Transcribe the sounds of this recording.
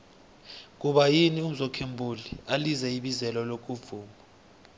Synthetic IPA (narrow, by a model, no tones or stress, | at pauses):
k̬ʼuɓajinium̩zɔkʰembʱulializɛiɓizɛlɔlok̬ʼuvuːmʱɔ